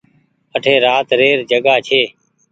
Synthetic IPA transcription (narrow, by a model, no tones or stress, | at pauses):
əʈʰeːɾaːt̪ɾeːɾd͡ʒəɠaːt͡ʃʰeː